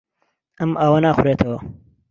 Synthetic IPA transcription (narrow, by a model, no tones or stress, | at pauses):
ɐmɐwɐnaːxʊɾeːt̪ʰɐwɐ